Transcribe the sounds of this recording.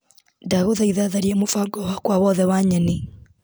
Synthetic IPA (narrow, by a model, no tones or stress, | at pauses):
ndaɣoðaiðaðaɾiɛmofaŋɡɔhakwawɔðɛwaɲɛni